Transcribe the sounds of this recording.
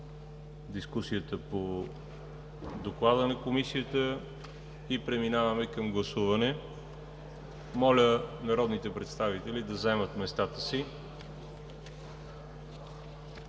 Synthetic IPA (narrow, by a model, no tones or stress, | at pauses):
d̪iskusiət̪əpo | d̪oklˠad̪ənɐkomisiət̪ə | ipɾɛminavəmɛkɐmɡlˠɐsuvɐnɛ | mɔlʲənɐɾɔd̪nit̪ɛpɾɛt̪st̪avit̪ɛlid̪ɐzɛmət̪mɛst̪at̪ə̥si